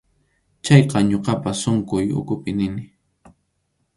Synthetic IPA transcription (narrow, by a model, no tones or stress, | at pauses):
t͡ʃɑjqɑɲoqɑpasʊŋkʊjʊ̰kʊpɪnɪnɪ